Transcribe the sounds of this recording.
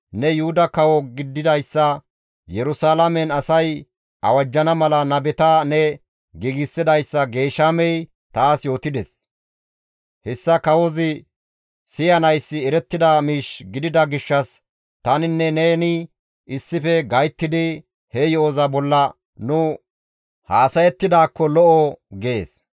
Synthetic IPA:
nɛjʊhʊd̪ɐkɐwɔɡɪd̪ːɪd̪ɐjsːɐ | jɛɾʊsaːlɐmɛnɐsɐj | ʔɐ̰wɐd͡ʒːɐnɐmɐlɐnɐbɛt̪ɐnɛ | ɡɪɡɪsːɪd̪ɐjsːɐɡe̞ːʃamɛj | t̪aːsjo̞ːt̪ɪd̪ɛs | hɛsːɐkɐwɔzɪ | sɪjɐnɐjsːɪɛɾɛt̪ːɪd̪amiːʃɡɪd̪ɪd̪ɐɡɪʃːɐs | t̪ɐnɪnːɛneːnɪ | ɪsːɪfɛɡɐjt̪ːɪd̪ɪ | hɛjɔozɐbɔlːɐ | nʊ | haːsɐjɛt̪ːɪd̪aːkːɔlɔʔɔɡeːs

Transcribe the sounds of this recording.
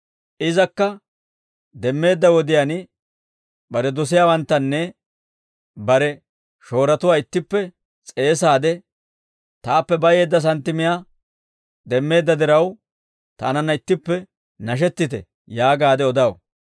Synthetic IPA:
ʔɪzɐkːɐ | d̪ɛmːe̞ːd̪ːɐwɔd̪ɪjanɪ | bɐɾɛd̪ɔs̬ɪjaːwɐnt̪ːɐnːɛ | bɐɾɛ | ʃo̞ːɾɐt̪ʊwaːɪt̪ːɪpːɛ | t͡sʼe̞ːsaːd̪ɛ | t̪aːpːɛbɐje̞ːd̪ːɐs̬ɐnt̪ːɪmɪjaː | d̪ɛmːe̞ːd̪ːɐd̪ɪɾɐw | t̪a̰ːnɐnːɐɪt̪ːɪpːɛ | nɐʃ̬ɛt̪ːɪt̪ɛ̰ | jaːɡaːd̪ɛɔd̪ɐw

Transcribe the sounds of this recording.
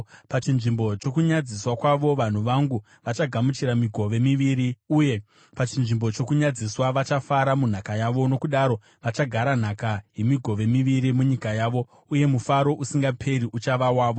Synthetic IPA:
pat͡ʃinʐimbo̞t͡ʃo̞kuɲad͡ziswakwaʋo̞ʋan̤uʋaŋɡu | ʋat͡ʃaɡʱamut͡ʃiɾamiɡʱo̞ʋe̞miʋiɾiuje̞ | pat͡ʃinʐimbo̞t͡ʃo̞kuɲad͡ziswaʋat͡ʃafaɾamun̤akajaʋo̞no̞kuɗaɾo̞ | ʋat͡ʃaɡʱaɾan̤akaje̞miɡʱo̞ʋe̞miʋiɾimuɲikajaːʋo̞ | uje̞mufaɾo̞ʔusiŋɡapʰe̞ɾiʔut͡ʃaʋawaːʋo̞

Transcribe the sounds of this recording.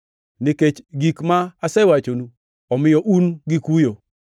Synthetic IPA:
nɪket͡ʃɡikmaːsɛwat͡ʃonu | ɔmɪjɔʔunɡɪkujo

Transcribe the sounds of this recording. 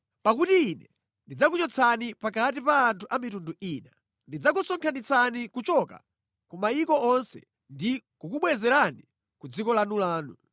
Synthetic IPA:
pak̬utiːnɛ | ndid͡zak̬ut͡ʃɔt͡sʰanipakat̬ipaːntʰuʔamitunduiːna | ndid͡zak̬usɔŋkʰanit͡sʰanikut͡ʃɔka̰ | kumaikɔɔnsɛ̰ | ndikukuɓwɛzɛɾani | kud͡zikɔlanulaːnu

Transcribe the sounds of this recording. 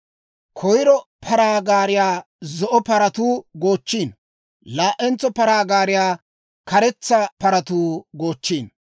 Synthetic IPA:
kʰɔjɾɔpʰɐɾaːɡaːɾɪjaː | zɔʔɔpɐɾɐt̪uːɡoːt͡ʃːiːn | laːʔːɛnt͡sːɔpɐɾaːɡaːɾɪjaː | kɐɾɛt͡sːɐpɐɾɐt̪uːɡo̞ːt͡ʃːiːn

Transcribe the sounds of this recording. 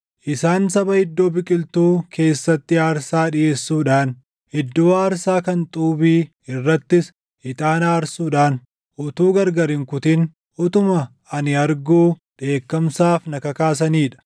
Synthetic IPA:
ʔɪsaːnsɐbɐhɪd̪ːo̞ːbɪkʼɪlt̪uːkʰe̞ːsːɐt̪ːɪaːɾsaːᶑɪje̞ːsːuːᶑaːn | hɪd̪ːʊwaːɐɾsaːkɐnt̪ʼuːbiː | ɪrːɐt̪ːɪs | ɪt̪ʼaːnaːɾsuːᶑaːn | ʔʊt̪uːɡɐɾɡɐɾɪŋkʊt̪ɪn | ʊt̪ʊmɐ | ɐnɪɐɾɡuːᶑe̞ːkːɐmsaːfnɐkɐkaːs̬ɐniːᶑɐ̥

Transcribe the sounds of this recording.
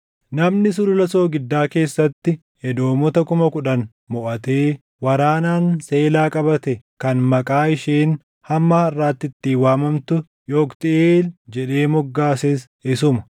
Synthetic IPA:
nɐmnɪs̬ʊlʊlɐso̞ːɡɪd̪ːaːke̞ːsːɐt̪ːɪ | hɛd̪o̞ːmɔt̪ɐkʊmɐkʊᶑɐn | mɔʔɐt̪e̞ː | wɐɾaːnaːnse̞ːlaːkʼɐbɐt̪ɛkɐnmɐkʼaːɪʃiːn | hɐmːaːɐrːaːt̪ːɪt̪ːiːwaːmɐmt̪ʊ | jo̞ːkt̪ɪeːld͡ʒɛᶑe̞ːmɔɡːaːses | ɪsʊmɐ̥

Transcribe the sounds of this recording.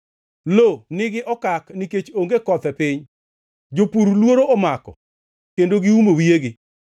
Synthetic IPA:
lonɪɡɪʔɔkakniket͡ʃoŋɡekɔt̪ɛpɪɲ | d͡ʒopuɾlwoɾoʔɔmakɔ̰ | kendoɡɪumowieɡɪ

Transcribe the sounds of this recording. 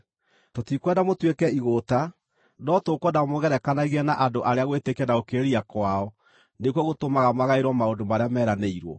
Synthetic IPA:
totikwɛdamotwekɛiɣota | nɔtokwɔdamoɣɛɾɛkanaɣiɛnaʔandoʔaɾeaɣwetekɛnaokeɾiakwaɔ | nekwɔɣotomaɣamaɣaeɾwɔmaondomaɾeamɛːɾaneiɾwɔ̰

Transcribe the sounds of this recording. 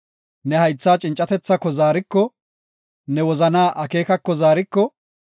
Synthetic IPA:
nɛhɐjt͡sːaːt͡ʃʼɪnt͡ʃʼːɐt̪ɛt͡sːɐkːɔzaːɾɪkːɔ | nɛwɔzɐnaːʔɐke̞ːkɐkːɔzaːɾɪkːɔ

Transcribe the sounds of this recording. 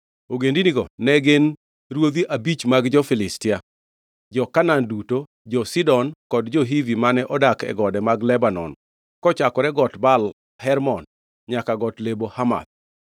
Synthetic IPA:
oɡendiniɡɔnɛɡen | rwod̪iʔabit͡ʃmaɡd͡ʒɔfɪlɪstɪa | d͡ʒɔkananduto | d͡ʒɔsidɔnkɔdd͡ʒɔɦivimanɛʔɔdakɛ̰ɡɔdɛmaɡlɛbanɔ̰n | kɔt͡ʃakɔɾɛɡɔtbal | hɛrmɔn | ɲakaɡɔtlebohama̰d̪̥̚

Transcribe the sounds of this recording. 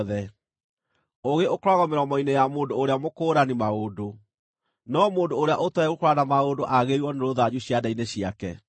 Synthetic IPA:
ðɛ | oɣeokoɾaɣɔmeɾɔmɔinejamoːndoːɾeamokoːɾanimaodo | nɔmoːndoːɾeaʔotɔɛɣokoɾanamaodoʔaɣeɾwɔneɾoðaɲuɕjadaineɕiakɛ

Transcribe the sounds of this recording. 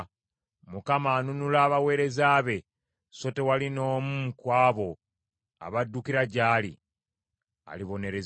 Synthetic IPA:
mukamaːnunulaːβawe̞ːɾe̞zaːβe̞ | so̞te̞walino̞ːmukwaːβo̞ | a̰βadːukiɾaɟaːlḭ | a̰liβo̞ne̞ɾe̞z

